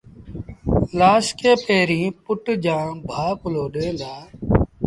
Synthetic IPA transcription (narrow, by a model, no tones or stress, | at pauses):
laːskeːpeːɾĩːpʊʈd͡ʒãːbʱaːpʊloːɗẽːnd̪aː